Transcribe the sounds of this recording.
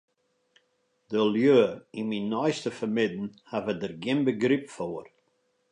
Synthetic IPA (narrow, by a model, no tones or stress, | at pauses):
dəljøːinminːɔjstəfəmɪdn̩havədərɡɪmbəɡɾipfoːr